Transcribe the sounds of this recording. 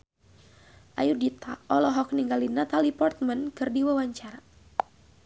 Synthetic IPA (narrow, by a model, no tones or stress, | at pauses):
ʔajudit̪aɔlɔɦɔk̚niŋɡalinat̪alipɔrt̪̚mənkɨrdiwawaɲt͡ʃaɾa